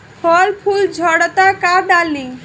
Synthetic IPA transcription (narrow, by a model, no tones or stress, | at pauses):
pʰɔlpʰuld͡ʒʱɔɽt̪akaɾɖalːĩ